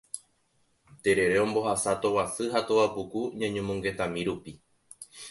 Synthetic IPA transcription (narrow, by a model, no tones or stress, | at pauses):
t̪e̞ɾe̞ɾe̞õ̞mbo̞hasat̪o̞wasɨɦat̪owapukuɲãɲũmũŋɡe̞t̪amĩɾupi